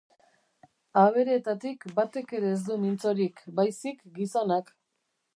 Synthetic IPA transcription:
aβ̞e̞ɾeet̪at̪ikbat̪e̞ke̞ɾeːzd̪umint͡so̞ɾikbajsikɡiso̞nak

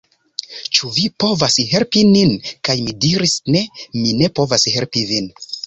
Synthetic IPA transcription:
t͡ʃuvipo̞vasɦe̞lpininkajmidiɾisne̞mine̞po̞vashe̞lpivin

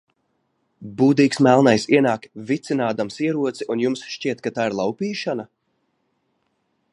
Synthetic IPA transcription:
buːd̪iːksmælˠnajsiɛnaːkvit̪sinaːd̪amsiɛɾuɔt̪siʔunjumsʃt͡ʃiɛt̪kat̪aːiɾlˠawpiːʃana

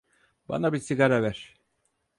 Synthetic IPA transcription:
ba̰nabisiɡaɾavæɾ̥

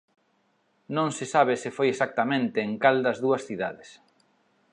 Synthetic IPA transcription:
nõŋsɪsaβ̞ɪsɪfojesak̚t̪amẽnt̪eːŋkald̪ɐzðuɐsθiða̰ðɪs

